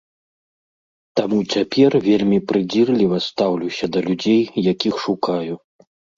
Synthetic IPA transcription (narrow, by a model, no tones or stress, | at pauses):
t̪amut͡sʲapʲɛrvʲelʲmʲipɾɨd͡zʲirlʲivɐst̪awlʲuwsʲɐd̪ɐlʲud͡zʲejjakʲixʂukaju